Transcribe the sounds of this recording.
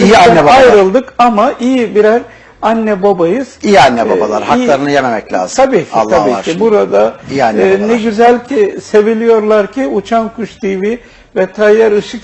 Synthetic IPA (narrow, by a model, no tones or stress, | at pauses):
ijianːɛbajɾɯlˠd̪ɯkamaʔijibiɾæɾ | anːɛbobajɯz̥ijianːɛba̰ba̰lˠa̰ɾhak̪ːˠaɾɯnɯjememɛclʲa̰ːzt̪ʰabiːcʰalt̪ːabiːcibuɾad̪aijanːɛnɛɡyzælʲcʰise̞vilʲijo̞ɾlˠaɾcʰiut͡ʃʰankʰuʃd̪ivi | vɛt̪ʰajːæɾɯʃɯk